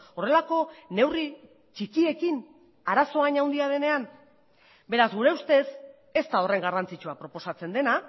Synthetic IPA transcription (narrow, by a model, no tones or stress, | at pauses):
o̞re̞lako̞ne̞wri | t͡ʃikie̞kin | aɾaso̞aɲawnd̪iað̞e̞ne̞an | be̞ɾazɣuɾe̞ust̪e̞s | e̞st̪ao̞re̞ŋɡarant͡sit͡ʃuapɾo̞po̞sat͡se̞nd̪e̞na